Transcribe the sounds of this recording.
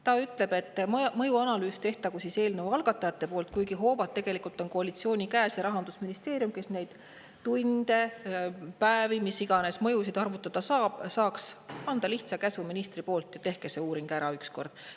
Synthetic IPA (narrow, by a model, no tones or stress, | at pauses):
t̪ɑyt̪ˑle̞b̥e̞t̪ːmɤjuɑnɑlyːst̪e̞ht̪ɑkusise̞ːlnevuɑlɡ̥ɑt̪ːˑɑjɑt̪ːe̞po̞ːlt̪̚kujɡ̥iɦo̞ːvɑt̪ːe̞ɡ̥e̞likult̪ˑo̞nko̞ɑlit̪sio̞ːnʲikæːsjɑɾɑɦɑnd̪̥usminist̪e̞ːrjumke̞sne̞jd̪̥ | t̪ːujnd̪̥e̞ | pæevimisiɡ̥ɑne̞smɤ̞jusid̪ɑrvut̪ːˑɑd̪̥ɑsɑsɑːksɑnd̪̥ɑliht̪sɑkæsuminist̪ripo̞ːlt̪ˑjɑt̪e̞hke̞se̞uːɾiŋɡ̥æɾɑyksko̞rd̪̥